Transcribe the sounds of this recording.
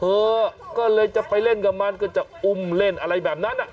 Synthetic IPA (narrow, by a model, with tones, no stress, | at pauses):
hɤː˧kɔː˥˩lɤː˧jt͡ɕa˨˩pʰa˧jle˥˩nka˧˩maː˧nkɔː˥˩t͡ɕa˨˩ʔu˧mle˥˩nʔa˧ɾa˧jbɛː˨˩p̚na˦˥nʔːa˨˩ʔ